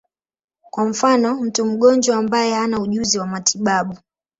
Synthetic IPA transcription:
kwam̩fanɔm̩tum̩ɠɔnd͡ʒwaːmbajɛhanauʄuziwamatʰiɓaɓu

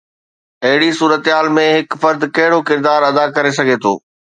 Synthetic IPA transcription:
ɐɦɪɽisuːɾət̪ɦaːlmẽɦɪkfɐɾd̪kɐɦɪɽokɪɾd̪aːɾɐd̪akɐɾes̬ɐɡʱet̪ʰo̰ː

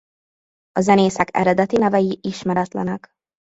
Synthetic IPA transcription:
ɒzɛneːsɛkɛ̰ɾɛd̪ɛt̪inɛvɛjiʔiʃmɛɾɛt̪lɛnɛk

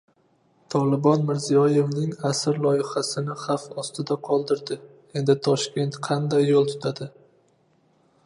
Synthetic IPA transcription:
t̪ʰɒlɪbɒnmɪɾzijɒje̞vnɪŋasɪɾlˠɒjɪhasɪnɪχɑfɒst̪ɪd̪aqʰɒlˠd̪ɪɾd̪ɪ | e̞nd̪ɪt̪ʰɒʃkʲe̞nt̪qʰɑnd̪ajːolˠt̪ʰʊ̥t̪ʰad̪ɪ

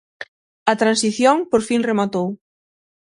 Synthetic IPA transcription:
ɐt̪ɾansiθjoŋpoɾfiŋremat̪ow

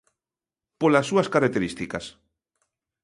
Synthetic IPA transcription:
polasːuɐskaɾak̚t̪eɾist̪ikɐs

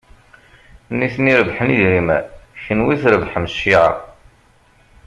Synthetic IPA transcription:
nːiθniɾəbħəniðɾimæ̰çənwiθɾəvħəmsːiʕa̰

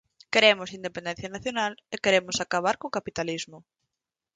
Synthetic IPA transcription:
keɾemʊsind̪epẽnd̪ɛ̃n̟θjanaθjonalekeɾemʊsakaβ̞aɾkokapit̪alizmʊ

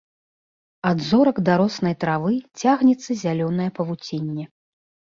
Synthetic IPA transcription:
ad̪zɔɾɐɡd̪aɾɔsn̪ɐjt̪ɾavɨt͡sʲaɣnʲɛt̪sːɐzʲalʲɔnɐjɛpɐvut͡sʲenʲːɛ

